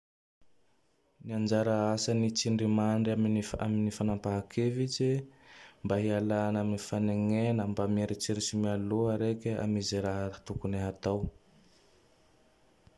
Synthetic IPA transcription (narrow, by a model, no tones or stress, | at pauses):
niand͡ʒaɾəasənit͡siɳɖ͡ʐimaɳɖ͡ʐaminifa̰minifanampaɦakʰevid͡ʒimbaɦialanaminifaneŋenəmbameɾit͡siɾisimialoɦaɾekʲea̰mizeɾaɦət̪ukuneɦat̪aw